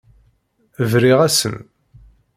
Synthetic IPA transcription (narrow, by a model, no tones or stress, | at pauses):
vɾiʁæsə̰n